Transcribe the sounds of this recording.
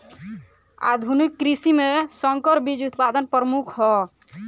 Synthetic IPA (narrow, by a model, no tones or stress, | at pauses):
a̰d̪ʱunikːɾisimesɔŋkəɾbid͡ʒut̪pad̪ənpɾəmukʰɦɔ